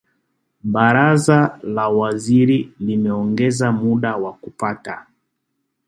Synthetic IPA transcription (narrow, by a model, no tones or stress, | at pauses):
ɓaɾazalawaziɾilimɛɔŋɡɛzamuɗawakupata